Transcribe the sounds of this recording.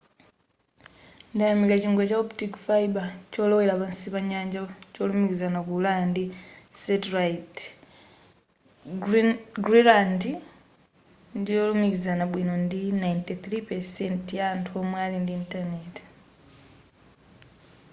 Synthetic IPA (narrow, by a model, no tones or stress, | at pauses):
ndajamikaciŋɡwecaoptikfaibaco̞ːlowelaβansiβaɲaːɲɟaco̞ːlumikizanakulandisetɾait | ɡɾiɾandi | ndoːlumikizanaβwinondinajnteθɾipeɾsentijantuomwaːlindiːntaneti̥